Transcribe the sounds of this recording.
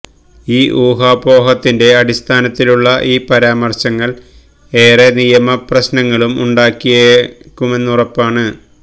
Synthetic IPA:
iːʔuːɦaːbo̞ːɦɐt̪ːinde̞ɐɽist̪ʰaːnɐt̪ːiluɭːɐʔiːpɐɾaːmɐrɕɐŋːɐɭ | e̞ːre̞nijɐmɐprɐɕnɐŋːɐɭumṵɳɖaːkːijɐkːume̞nːurɐpːaːɳɨ

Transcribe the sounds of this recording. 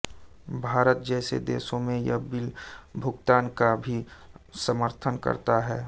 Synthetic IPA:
bʱaːɾət̪̚d͡ʒɛːsḛd̪ḛːsõmẽjɐbɪlbʱʊɡt̪aːnkabʱisəməɾt̪ʰənkə̰ɾt̪aɦɛː

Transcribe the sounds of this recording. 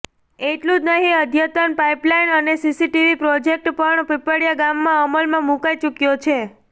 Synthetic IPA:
eʈlũd͡ʒnəɦĩəd̪ʱjət̪ənpaiplainənesisiʈiʋipɾɔd͡ʒek̚ʈpəɳpepəɽijaɡamːãəməlmãmukajt͡ʃukjot͡ʃʰe

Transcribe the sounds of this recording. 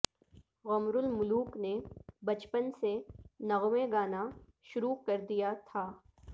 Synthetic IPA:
ɣɐmɾʊlmʊluːknebɐt͡ʃpənsenɐɣwẽɡaːna | ʃʊɾukɐɾd̪ijat̪ʰaː

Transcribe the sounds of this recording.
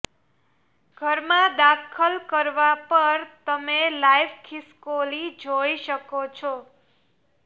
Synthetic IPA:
ɡ̥ʱəɾmãd̪akʰəlkəɾʋapəɾt̪əmelaiʋkʰiskolid͡ʒoiʃəkot͡ʃʰo

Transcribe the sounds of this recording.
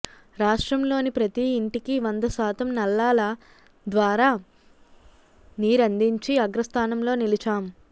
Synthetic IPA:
ɾaːʂʈɾɐmlo̞ːnipɾɐt̪iːɳʈikiʋɐnd̪ɐsaːt̪ɐmnɐlːaːlɐ | d̪ʋaːɾaː | niːɾɐnd̪iɲt͡ʃiɐɡɾɐst̪ʰaːnɐmlo̞ːnilit͡ʃaːm

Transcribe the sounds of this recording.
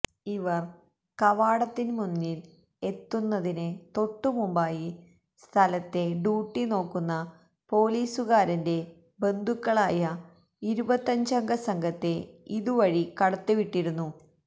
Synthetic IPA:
iʋɐr | kɐʋaːɽɐt̪ːinmunːil | e̞t̪ːunːɐðinɨt̪o̞ʈːumumbaːji | st̪ʰɐlɐt̪ːe̞ɖuːʈːino̞ːkːunːɐ | po̞ːliːsuɣaːɾɐnde̞ | be̞nd̪ʱukːɐɭaːjɐ | iɾubɐt̪ːɐɲd͡ʑɐŋɡʱɐsɐŋɡʱɐt̪ːe̞iðuʋɐɻikɐɽɐt̪ːuʋiʈːiɽunːu

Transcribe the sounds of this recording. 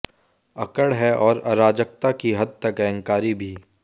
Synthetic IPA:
ɐkəɽɦɛʔɔːɾɐɾaːd͡ʒək̚t̪akiɦɐd̪̚t̪ɐkɛ̃ŋkaːɾibʱiː

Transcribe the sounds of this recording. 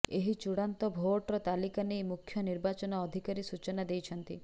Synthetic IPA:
eɦit͡ʃuɽant̪ɔbʱoʈɔɾɔt̪alikanejmukʰːjɔniɾbat͡ʃɔnɔːd̪ʱikaɾisut͡ʃɔnad̪ejt͡ʃʰɔnt̪ḭ

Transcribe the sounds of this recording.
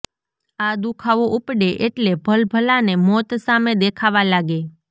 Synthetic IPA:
ad̪ukʰaʋoʔupɽeʔeʈlebʱəlbʱəlanemɔt̪samed̪ekʰaʋalaɡe

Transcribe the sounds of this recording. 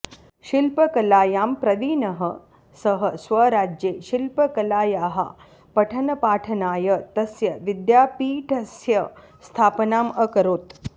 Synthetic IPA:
ʃilpɐkɐlaːjaːmpɾɐd̪iːnɐɦə | sɐɦəsʋɐɾaːd͡ʒjeːʃilpɐkɐlaːjaːɦɐ̰ | pɐʈʰɐnɐpaːʈʰɐnaːjət̪ɐsjɐʋid̪jaːpiːʈʰɐsjɐ | st̪ʰaːpnaːməkɐɾoːt̪

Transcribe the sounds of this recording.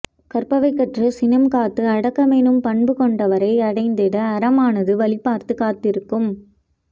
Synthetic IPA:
kɐɾpɐʋɐɪkːɐʈrɐsɪnɐmkaːt̪ːɯɐɽɐkːɐmeːnɯmpɐɳbɯkɔɳɖɐʋɐɾɐɪɐɽɐɪnd̪ɪɽɐːɾɐmaːnɐðɯʋɐlɪpːaːɾt̪ɯkaːt̪ːɪɾɯkːɯm

